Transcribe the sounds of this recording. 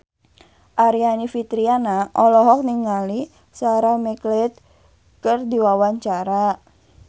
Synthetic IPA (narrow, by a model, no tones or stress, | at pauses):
ʔaɾianifit̪ɾianaʔɔlɔɦɔk̚niŋali | saɾamɛklɛt̪̚ | kərdiwawaɲt͡ʃaɾa